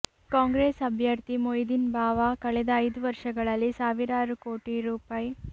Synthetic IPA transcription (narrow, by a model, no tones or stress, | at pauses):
kaːŋɡɾeːsɐbʱjɐɾt̪imojd̪inbaːʋaːkɐɭɛd̪ɐːjd̪uʋɐɾʂɐɡɐɭɐlːisaːʋiɾaːɾukoːʈiɾuːpaːji